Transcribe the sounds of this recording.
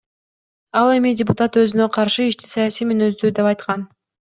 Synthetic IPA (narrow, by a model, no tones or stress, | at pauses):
ɑlˠe̞midʲɪpʊt̪at̪ø̞zynøqʰɑɾʃɯiʃt̪isɑjasijmynø̞zd̪yːd̪e̞pɑjt̪qɑn